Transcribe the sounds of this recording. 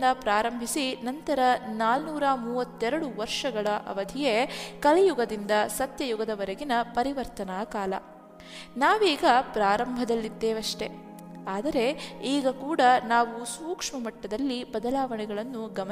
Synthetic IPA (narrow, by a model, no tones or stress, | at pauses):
d̪ɐpɾaːɾɐmbʱisinɐnt̪ɐɾɐnaːlnuːɾɐmuːʋɐt̪ːɛɾɐɽuʋɐɾʂɐɡɐɭɐʔɐ̰ʋɐd̪ʱijekɐlɛjuɡɐd̪ind̪ɐsɐt̪jɐjuɡɐd̪ɐʋɐɾɐɡinɐpɐɾiʋɐɾt̪ɐnaːkaːlɐ̰ | naːʋiːɡɐpɾaːɾɐmbʱɐd̪ɐlːid̪ːeːʋɐʂʈe̞ | aːd̪ɐɾe̞iːɡɐkuːɽɐnaːʋusuːkʂmɐmɐʈːɐd̪ɐlːibɐd̪ɐlaːʋɐɳɛɡɐɭɐnːuɡɐm